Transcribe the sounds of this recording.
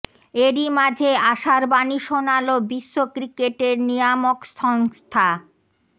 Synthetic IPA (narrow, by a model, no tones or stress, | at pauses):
eɾimad͡ʑʱeaʃaɾbaniʃonalobiʃːokɾikeʈeɾnijamokʃɔŋst̪ʰa